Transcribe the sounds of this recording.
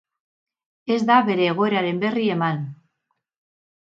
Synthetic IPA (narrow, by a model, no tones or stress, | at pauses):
e̞zd̪aβe̞ɾe̞ːɣ̞oeɾaɾe̞mbe̞rie̞man